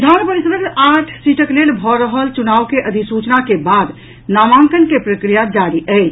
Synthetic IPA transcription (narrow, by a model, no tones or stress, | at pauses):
d̪ʱanpəɾisəd̪əkaʈʰsiʈʰəklelbʱɔɾəɦəlt͡ʃunaːʋkeʔəd̪ʱisut͡ʃnakebad̪ | naːmãŋkənkepɾəkɾijad͡ʒaɾiʔət͡ʃ